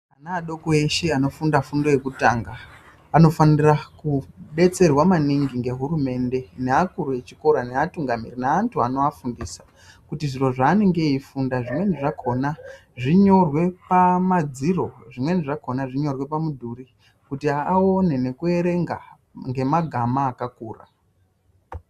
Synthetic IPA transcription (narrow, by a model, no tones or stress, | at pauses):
anaːɗo̞koeʃe̞ano̞fundafundo̞je̞kutaːŋɡaː | no̞fanirakuɓe̞t͡se̞rwamaniŋɡiŋɡe̞ɦuɾume̞ːnde̞neakuɾue̞t͡ʃiko̞ɾaneatuŋɡamḭrinaːntʰuano̞afundiːsḁ | kutiʐiro̞ʐaːne̞ŋɡe̞ifundaʐimwe̞niʐakʰo̞na | ʐiɲo̞rwe̞pamad͡ziro̞ʐimwe̞niʐako̞naʐiɲo̞rwe̞pamudʱuri | kutiaone̞ne̞kue̞ɾe̞ŋɡa | ŋɡe̞maɡʱamaːkakuːra̰